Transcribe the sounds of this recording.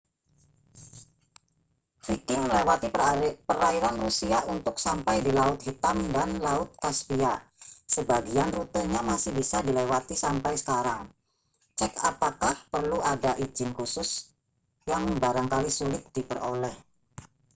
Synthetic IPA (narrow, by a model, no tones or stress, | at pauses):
fikɪŋməlewat̪ipəɾaiɾanrusiaunt̪ʊksampajdilaʊt̪̚hit̪amdanlaʊt̪̚kaspiasəbaɡianrut̪əɲamasɪhbisadilewat̪isampajsə̥kaɾaŋ | t͡ʃɛkapakahpərluadaʔid͡ʒɪnkusʊs | jaŋbaɾaŋkalisulɪt̪̚d̥ipəro̰lɛh